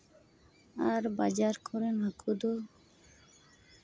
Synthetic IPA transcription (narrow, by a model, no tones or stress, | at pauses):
aɾbad͡ʒaɾkʰɔɾɛnɦakʰud̪ɔ